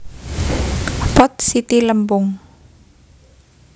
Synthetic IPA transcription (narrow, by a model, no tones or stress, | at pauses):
pɔt̪̚sit̪iləmpʊŋ